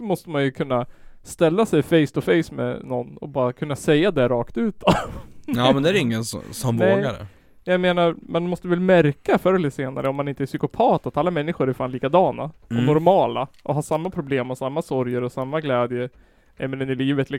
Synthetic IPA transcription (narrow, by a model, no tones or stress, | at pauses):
ɔmɔst̪əmanjɵkʰɵnːast̪ɛlːasɛjfɛjst̪ʊfɛjsmɛ̰nɔnːɔ̰bɑːɾakʰɵnːasɛjːad̪ɛɾɑːkt̪ʉ̟ːt̪avamɛnd̪ɛæɾɪŋːənssɔmnɛoːɡaɾə̰ | jameːnaɾmand̪ɛmɔst̪əvɛlmæɾkafœɾɛlɪt̪seːna̰ɾəɔmːanɪnt̪əæsʏkʊpʰɑːt̪at̪alːamɛnːɪɧʊɾɛɾfaːnliːkad̪ɑːna̰̥ɔmnɔɾmɑːlaʔɔɦɑːsamːapʰɾʊbleːmːɔsamːasɔɾjəɾɔsamːaɡlɛːd̪jə | ɛmɛnənɪliːvət̪lɪ